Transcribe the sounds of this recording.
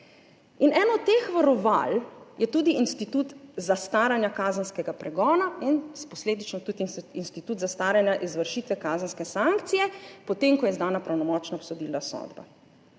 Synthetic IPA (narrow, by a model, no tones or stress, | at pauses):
inɛːnɔt̪ːeːxʋaɾɔʋa̰ljɛt̪uːd̪iinst̪it̪uːt̪zast̪aːɾanjakaːzənskɛɡapɾɛɡɔːnainspɔsleːd̪it͡ʃnɔt̪ud̪iinst̪it̪uːt̪zast̪aːɾanjaʔizʋəɾʃiːt̪ʋɛkaːzənskɛsaŋkt̪sijɛpɔt̪eːmkɔjɛzd̪aːnapɾawnɔmɔːt͡ʃnaɔpsɔd̪iːlasɔ̰ːd̪ba̰